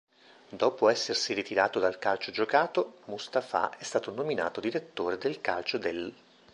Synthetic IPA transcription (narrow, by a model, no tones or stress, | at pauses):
d̪ɔːpoɛsːersirit̪iɾaːt̪od̪alkalt͡ʃod͡ʒokaːt̪omust̪afa̰ʔɛst̪aːt̪onomina̰ːt̪od̪iɾet̪ːoːɾed̪elkalt͡ʃod̪el